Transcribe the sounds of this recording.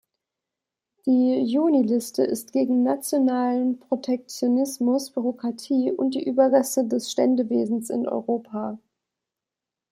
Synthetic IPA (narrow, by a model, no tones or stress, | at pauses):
d̥iːjuːnilɪstəɪ̰stɡ̥eːɡŋ̩nat͡sjonaːlənpʁ̥otʰɛk̚t͡sjonɪsmʊsb̥yʁokʁ̥atʰiːʔʊnt̚d̥iːʔyːbɐɡɛsədɛsʃtɛndəveːzn̩sɪ̰nʔɔ̰ʏʁoːpʰa